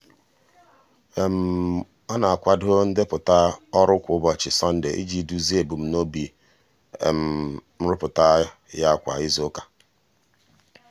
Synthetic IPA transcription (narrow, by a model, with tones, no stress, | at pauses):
e˨m̩˨ | ɔ˦na˨a˨kʷa˨do˦n̩˦dɪ˦pʊ˨ta˦ɔ˦ɾʊ˦kʷʊ˨ʊ˦bɔ˨t͡ʃɪ˨sɔ˦n̩˦dḛ˨˦ʔḭ˦d͡ʒi˨du˦zi˦e˨bu˨m̩˨no˦bi˨ | ḛ˨m̩˨m̩˦ɾʊ˦pʊ˨ta˦ja˦˨kʷa̰˨ɪ˦zʊ˦ka˨